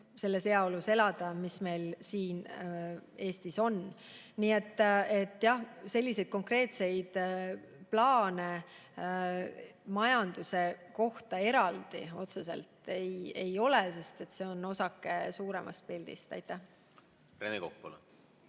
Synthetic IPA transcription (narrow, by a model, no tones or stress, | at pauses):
se̞lːese̞ɑoluse̞lɑd̪̥ɑmisme̞jlsiːn | e̞ːst̪iso̞n | niːet̪ːˑet̪ːˑjɑhse̞lʲːise̞jd̪̥̚ko̞ŋkre̞ːt̪se̞jd̪̥ | plɑːne̞ | mɑjɑnd̪̥use̞ko̞ht̪ɑe̞ɾɑld̪̥ḭo̞t̪sesḛlt̪e̞je̞jo̞lese̞st̪e̞t̪se̞o̞no̞sɑkːesuːɾe̞̰mʔɑ̰st̪̚pild̪̥ḭst̪ɑ̰jt̪ːˑæh | renekokpo̰l